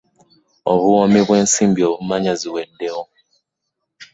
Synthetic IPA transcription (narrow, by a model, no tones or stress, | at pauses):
o̰βuwomiβwe̞ːnsiːmbioβumaɲaziwedːeho